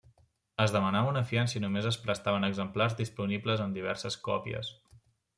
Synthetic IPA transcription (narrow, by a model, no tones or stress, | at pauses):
əzðəmənaβunəfiansəinumezəspɾəst̪aβənəɡzəmplarzðispunibləzənd̪iβ̞ɛ̰ɾsəskɔ̰pḭə̰s